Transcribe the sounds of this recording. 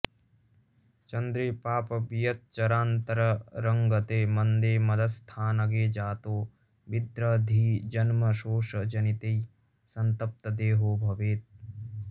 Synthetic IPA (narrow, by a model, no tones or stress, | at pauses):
t͡ʃɐnd̪ɾeːpaːpɐbijɐt̪̚t͡ʃɐɾaːnt̪ɐɾɐɾɐŋɡɐt̪eːmɐnd̪eːmɐd̪ɐst̪ʰaːnɐɡeːd͡ʒaːt̪oː | ʋid̪ɾɐd̪ʱiːd͡ʒɐnmɐʃoːʃɐd͡ʒɐnit̪ej | sɐnt̪ɐp̚t̪ɐd̪eːɦoːbʱɐʋeːt̪̚